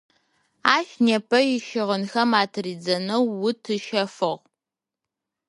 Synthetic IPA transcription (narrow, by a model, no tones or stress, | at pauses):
aːʃneːpʰɐjɪʃɪʁənxɐmaːtʰɨriːd͡zɐnɐwːʊtʰɨʃɐfɨʁ